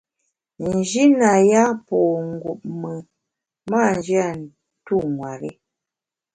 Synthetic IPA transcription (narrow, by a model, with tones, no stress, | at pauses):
n̩˨d͡ʒi˦na˨ja˦pɔ˨ŋ˨ɡu˨p̚mə˨ | ma˦˨n̩˨d͡ʒi˦a˦˨ | tu˦˨ŋwa˨ɾi˦